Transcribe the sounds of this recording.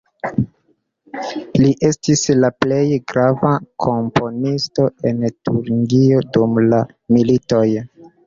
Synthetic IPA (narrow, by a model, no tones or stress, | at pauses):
liʔe̞stislaple̞jɡɾavakʰo̞mpʰo̞nisto̞e̞ntuɾɡio̞dumla | milito̞j